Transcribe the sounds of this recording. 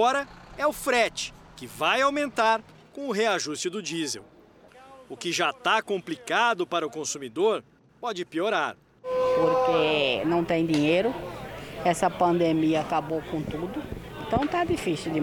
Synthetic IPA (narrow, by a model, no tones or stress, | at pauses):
ɔɾɐɛʊfɾɛt͡ʃɪ̥kɪvajawmẽnt̪aɾ | kõʊɦeaʒust͡ʃʊd̪ʊd͡ʒizḛw | ʊkɪʒat̪akõmplikad̪ʊpaɾɐʊkõsumid̪oɾ | pɔd͡ʒɪpioɾaɾ | poɾkenɐ̃w̃t̪ẽj̃d̪ĩɲejɾʊ | ɛsɐpɐ̃nd̪emiɐːkabowkõt̪ud̪ʊ | ẽnt̪ɐ̃w̃t̪ad̪ifisiwd̪ɪ